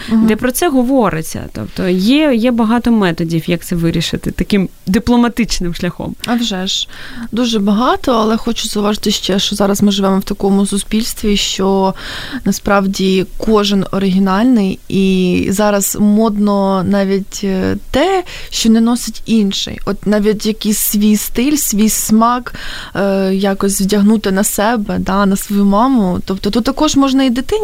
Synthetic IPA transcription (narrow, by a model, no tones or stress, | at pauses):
d̪ɛpɾɔt̪sɛɦɔʋɔɾɪt͡sʲːɐ̰t̪ɔ̰pt̪ɔjɛjɛbɐɦɑt̪ɔmɛt̪ɔdʲiwjɐk̚t̪sɛʋɪɾʲiʃɪt̪ɪt̪ɐkɪm | d̪ɪplˠɔmɐt̪ɪt͡ʃnɪmʃlʲɐxɔ̰mɐwʒɛʒd̪uʒɛbɐɦɑt̪ɔɐlˠɛxɔt͡ʃʊ̥zɐuʋɑʒɪt̪ɪʃt͡ʃɛʃt͡ʃɔzɑɾɐzmɪʒɪʋɛmɔwt̪ɐkɔmʊsʊspʲilʲst̪ʋʲiʃt͡ʃɔ | nɐspɾɑwdʲikɔʒɪnɔɾɪɦʲinɑlʲnɪjizɑɾɐz̥mɔd̪nɔnɑʋʲitʲt̪ɛ | ʃt͡ʃɔnɛnɔsʲɪtʲinʃɪ̰jɔt̪nɑʋʲit̬ʲjɐkisʲsʲʋʲijst̪ɪlʲsʲʋʲijsmɑkː | jɑkɔsʲwdʲɐɦnut̪ɪnɐsɛbɛd̪ɑnɐsʋɔjumɑmʊt̪ɔpt̪ɔt̪ut̪ːɐkɔʒmɔʒnɐid̪ɪt̪ɪ